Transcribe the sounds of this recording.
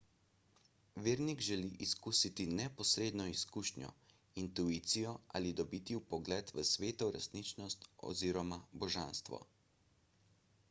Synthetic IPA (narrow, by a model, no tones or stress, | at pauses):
ʋeːɾniɡʒɛliʔiskuːsit̪inɛpɔsɾeːd̪nɔiskuʃnjɔ̰ | int̪uit̪sijɔʔa̰lid̪ɔbiːt̪iwpɔɡlɛt̪ʋəsʋeːt̪ɔɾɛsnit͡ʃnɔst̪ɔ̰ziːɾɔmabɔʒanst̪ʋɔ̰